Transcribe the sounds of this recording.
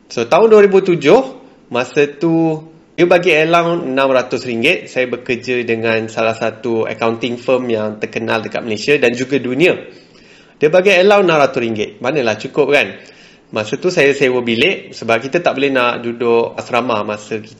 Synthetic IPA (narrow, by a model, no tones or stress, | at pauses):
sot̪aʊnduaɾibut̪ud͡ʒʊh | masət̪u | diəbaɡielawənãmrat̪ʊsriŋɡɪt̪̚sajabəkərd͡ʒədəŋãnsalahsat̪uə̰kawnt̪ɪŋfəmjaŋt̪ərkənaldəkat̪̚məlesiadand͡ʒuɡadunĩa | diəbaɡiəlawənãmrat̪ʊɾiŋɡɪt̪̚manəlaht͡ʃukʊp̚kan | masət̪usajasajəwəbilɪʔsəbap̚kit̪at̪aʔ̚bolɛnaʔdudʊʔsəɾamamãsəkit̪